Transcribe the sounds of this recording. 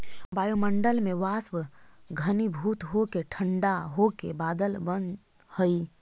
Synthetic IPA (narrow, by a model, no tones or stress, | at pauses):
baːjoməɳɖəlmẽʋaːswɡʱənibʱuːt̪ɦokeʈʰəɳɖaɦokebaːd̪əlbən | həi